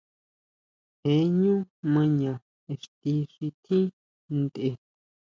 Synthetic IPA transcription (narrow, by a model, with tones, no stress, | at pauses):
he˨˦ɲũ˦mɨ̃˧ɲã˨ | e˨ʂt̪i˧ʂi˧t̪ʰĩ˦ | nd̪e˧